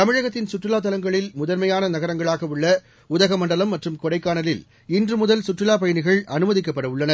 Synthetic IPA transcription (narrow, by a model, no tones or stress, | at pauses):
t̪ɐmɪɻɐɣɐt̪ːɪnsʊʈrɪlaːt̪̬ːɐlɐŋɡɐɭɪlmʊðɐɾmɐjaːnɐnɐɣɐɾɐŋɡɐɭaːɣɐʋɯɭːɐ | ʊðɐɣɐmɐɳɖɐlɐmːɐʈrɯmkɔɽɐɪkːaːnɐlɪl | ɪndrɯmʊðɐlsʊʈrɪlaːp̬ɐjɐnɪɣɐɭʔɐnɯmɐðɪk̬ːɐpːɐɽɐʋɯɭːɐnɐɾ